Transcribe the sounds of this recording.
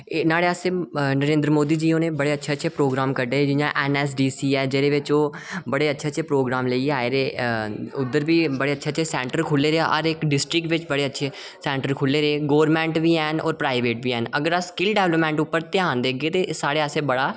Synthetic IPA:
naːɽeːaːseːnəɾẽːnd̪ɾəmoːd̪iːd͡ʒiːoːneːbəɽeːətːʃʰeːətːʃʰeːpɾoːɡɾaːmkəɾɖeːeːd͡ʒɪjãːʔɛːnɛːs̬ɖiːsiːɛːd͡ʒeːɾeːʋɪt͡ʃoː | bəɽeːətːʃʰeːətːʃʰeːpɾoːɡɾaːmləiaːeːɾeːʊd̪ːəɾbiːbəɽeːətːʃʰeːʃʰeːsɛ̃ːɳʈəɾkʰʊlːeːɾeaʔɔɾɪkɖɪsʈɾɪk̚ʈʋɪt͡ʃbəɽeːətːʃʰeː | sɛːɳʈəɾkʰʊlːeːɾeeːɡoːʋɾmɛ̃ːɳʈʋiːɛːnɔ̰ːɾpɾaːɪʋeːʈ̚biːɛːnəɡəɾəskɪlɖɛːʋləpmɛ̃ːɳʈʊpːəɾt̪ɪjãːnd̪eːəɡeːt̪eːsaːɽeːaːseːbəɽaː

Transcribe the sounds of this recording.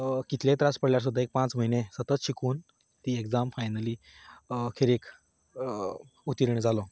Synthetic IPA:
kit̪ʰljẽt̪ɾaspəɽljaɾs̬ud̪ʱːaek̚pãt͡sməɦinesət̪ət̪ɕikuːn | t̪iːeɡd͡zamfajnəliː | kʰeɾek | ut̪iɾiɳd͡zalɔ

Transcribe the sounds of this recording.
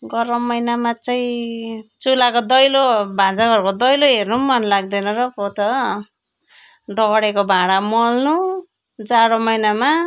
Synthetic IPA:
ɡʌɾʌmːʌjnamat͡saĩt͡sulakod̪ʌjlobʱãd͡zakʌɾkod̪ʌjloɦernumʌnlaɡ̚d̪ʌnʌɾʌpot̪ʌ | ɖʌɡʌɽekobʱãɽamʌlnu | d͡zaɾomʌjnama

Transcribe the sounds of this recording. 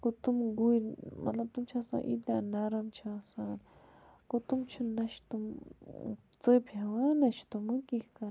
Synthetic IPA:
kut̪umɡujɾma̰t̪lab̚t̪umt͡ʃʰasa̰ʔḭd̪anaɾamt͡ʃʰasan | kut̪umt͡ʃʰunɐʃt̪um | t͡sɨpʰawanat͡ʃʰt̪umɨkihkaɾ

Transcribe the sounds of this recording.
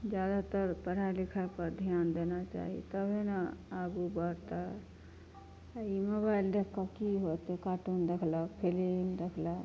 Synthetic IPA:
d͡ʒjad̪at̪əɾpəɾalikʰəpəɾd̪ʱjaːnd̪enat͡ʃa̰ɦḭt̪əbʱenaaɡubəɾt̪ə | imobaild̪ekʰkːakiɦot̪ekaʈund̪ekʰləpʰelend̪ekʰlə

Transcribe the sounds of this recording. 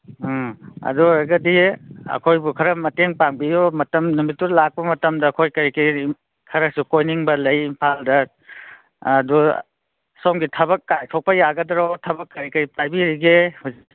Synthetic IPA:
ɐ̰duaɡɐdiɐ̰kʰojbukʰɐɾɐmɐteŋpaŋbijɔmɐtɐmnumitːulak̚pɐmɐtɐmdɐːkʰojkɐɾikɐɾi | kʰɐɾɐsukojniŋbɐlɐjimpʰaldɐ | du | sawmɡitʰɐbɐkːajtʰok̚pɐjaɡɐdɐɾɔtʰɐbɐkːɐɾikɐɾipajbiɾiɡehuz

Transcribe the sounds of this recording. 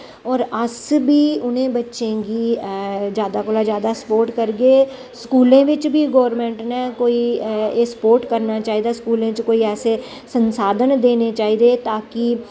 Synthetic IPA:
ɔːɾəsbʱiːʊnẽbətːʃẽɡi | d͡ʒjaːd̪akoːlad͡ʒjaːd̪asə̥poːɾʈkəɾɡeː | skuːlẽːʋɪt͡ʃbʱiɡoːʋɾmẽːɳʈnɛ̃koːiesə̥poːɾʈkəɾnat͡ʃaːɦid̪askuːlẽt͡ʃkoːiɛːse | sə̃nsaːd̪ʱənd̪eːnet͡ʃaːɦiːd̪et̪aːki

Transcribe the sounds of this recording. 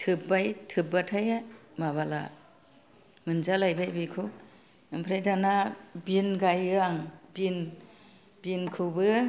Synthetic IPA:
tʰɯb̚bajtʰɯbatʰajamaβala̰ | mɯnzalajbajbijkʰɯw | ɯmpʰɾajdanabinɡajɯaŋbin | binkʰɯwbɯ

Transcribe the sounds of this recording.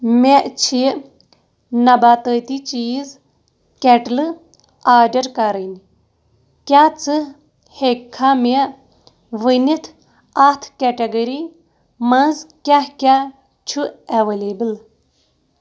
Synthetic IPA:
meʔt͡ʃʰi | nɐbaːt̪əːt̪it͡ʃiːz | kɛʈlɨ | aːɾɖɐɾkaɾənʲi | kʲat͡sɨ | hekʰːame | ʋənit̪ʰ | at̪ʰkɛʈeɡɐɾi | mɐnzkʲahkʲa | t͡ʃʰuɐʋeleːbɨl

